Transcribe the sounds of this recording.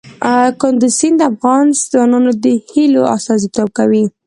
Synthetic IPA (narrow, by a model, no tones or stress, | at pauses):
kʊnd̪usind̪əafɣɑnzɑnunod̪əhiloa̰st̪ɑzit̪ob̚kawi